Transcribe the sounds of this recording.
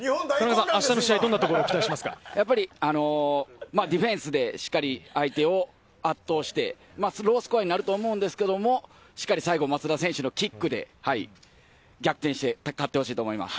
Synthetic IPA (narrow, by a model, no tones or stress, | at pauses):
kanaɡasãaɕi̥t̪anoɕiaid̪o̞nːat̪oko̞ɾoːkit̪aiɕimasɨ̥ka̰japːaɾʲiano̞maːd̪ʲiɸẽ̞ɰ̃sɨd̪e̞ɕi̥kːaɾʲiait̪e̞o̞ | at̪ːo̞ːɕi̥t̪e̞̰ | masɾo̞ːsɨ̥kɯ̟aɲ̟inaɾɯ̟t̪oːmo̞ɯ̃nd̪e̞sɨ̥ke̞d̪o̞mo̞ | ɕi̥kːaɾʲisaiɡo̞mat͡sɨɾasẽ̞ɰ̃ɕɨno̞kʲikːɯ̟d̪e̞̰haḭ | ɡʲakɯ̟t̪ẽ̞ɕi̥t̪e̞kat̪ːe̞ho̞ɕiːt̪o̞ːmoima̰sɨ̥